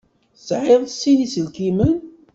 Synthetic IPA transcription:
sʕeðˤsːinisəlkimən

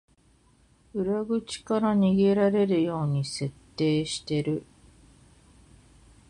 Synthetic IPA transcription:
ɯ̟ɾaɡɯ̟t͡ɕi̥kaɾaɲ̟iɡe̞ɾaɾe̞ɾɯ̟jo̞ːɲ̟ise̞t̪ːe̞ːɕi̥t̪e̞ɾɯ̟

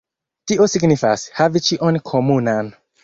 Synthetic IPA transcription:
tiosiɡnifashavit͡ʃiʔonkʰomunan

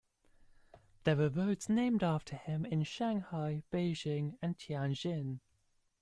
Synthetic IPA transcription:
ðəwəvəʊtsnẽɪ̃mdɑˑftʰəɪ̃mɪ̃nʃãŋhaɪb̥eɪʒɪ̃ŋə̃ntʰiãnʒɪ̃n

